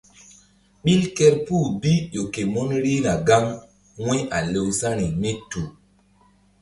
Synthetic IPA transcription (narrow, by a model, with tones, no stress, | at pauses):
ɓi˦lkɛ˦ɾpu˦˨bi˦ʄo˨ke˨mo˦nɾi˦na˨ɡa˦ŋ | wẽ˦ʔa˨le˨wsa˦ni˨me˦tu˨